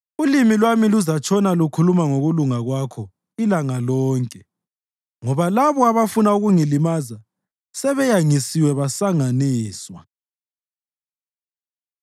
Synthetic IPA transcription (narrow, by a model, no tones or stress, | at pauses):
ulimilwamiluzat͡ʃʰʼɔnalukʰulumaŋoɣuluŋaɣwakʰɔ | ilaŋalɔːŋkʼɛ | ŋɔβalaβɔaβafunauɣuŋilimaza | sɛβɛjaŋisiwɛβasaŋaniːswa